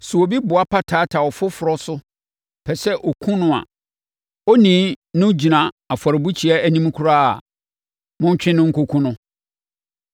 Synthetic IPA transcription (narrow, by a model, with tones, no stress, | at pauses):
sʊ˨o˨bi˦bʊ˨a˦pʰa˦tʰaː˨˦tʰa˨ɔ˨fʊ˦fʊ˨ɾɔ˦sʊ˦ | pʰɛ˨sɛ˦ʔo˨kʰũ˦nʊ̃˦a̰˨ | o˦nĩː˨˦nʊ̃˦d͡ʑi˨nã˨ | a˨fɔ˨ɾɪ˨bu˦t͡ɕʰi˨ɛ˦æ˦nĩ˦m˦kʰʊ˦ɾa˦a˨ | mʊ̃˦ɲ˦t͡ɕᶣɪ̃˦nʊ̃˦ŋ̩˦kʰo˦kʰũ˦nʊ̃˦